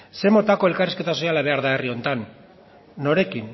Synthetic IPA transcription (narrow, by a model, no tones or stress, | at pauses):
se̞mo̞t̪ako̞elkariske̞t̪aso̞jalaβ̞e̞aɾðaerio̞nt̪anː | o̞ɾe̞kin